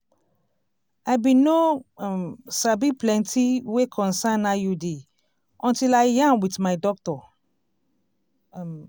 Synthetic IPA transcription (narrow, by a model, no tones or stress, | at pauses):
ajbĩno | sabiplɛ̃ntʰiwekʰɔ̃nsãnːajude | ɔ̃ntilaɪjãnwitmaɪdɔk̚tɔ